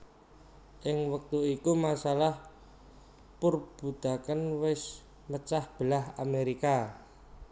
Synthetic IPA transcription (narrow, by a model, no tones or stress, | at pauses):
ʔɪŋwək̚t̪uikumasalah | purb̥ud̪̥a̤kənwɪs | mət͡ʃahb̥əlaɦameɾika